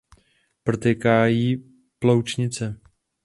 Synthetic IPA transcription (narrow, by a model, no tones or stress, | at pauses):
prt̪ɛkaːjiː | plowt͡ʃɲɪt͡sɛ